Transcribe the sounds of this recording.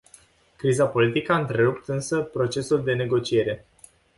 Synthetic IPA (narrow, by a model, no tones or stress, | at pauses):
kɾizapo̞lit̪ikəaɨnt̪ɾe̞ɾupt̪ɨnsəpɾo̞t͡ʃe̞suld̪e̞ne̞ɡo̞t͡ʃie̞ɾe̞